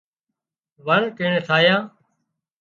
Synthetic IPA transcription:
ʋəɳkeːɳeːt̪ʰaːjãː

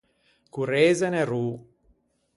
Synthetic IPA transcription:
kuɾeːzeneruː

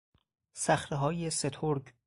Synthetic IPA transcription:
sæxɾeɦɒːjeset̪ʰoɾɡ

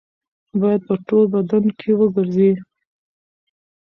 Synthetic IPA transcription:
bɑjad̪̚pəʈolbad̪ankʰewəɡəɾzi

